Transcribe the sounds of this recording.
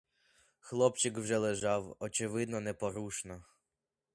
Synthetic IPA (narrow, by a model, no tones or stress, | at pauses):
xlˠɔpt͡ʃɪkwʒɛlˠeʒɑwɔt͡ʃɪʋɪd̪nɔnɛpɔɾuʃnɐ